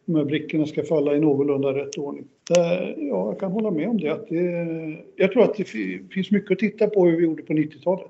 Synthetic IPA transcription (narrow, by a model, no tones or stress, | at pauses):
d̪ɔmhæːɾbɾɪkːəɳaskafalːaɪnoːɡʊlɵnd̪aɾɛt̪ːoːɳɪŋ | jɑːjɑkʰanɦɔlːamɛɔmd̪ɛat̪̚d̪ɛ | jɑːɡt̪ʰɾuːɾat̪̚d̪ɛffɪnsmʏkːəɔt̪ʰɪt̪ːapɔhʉvɪjuːɖəpʰɔnɪt̪ːɪt̪ʰɑːlət̪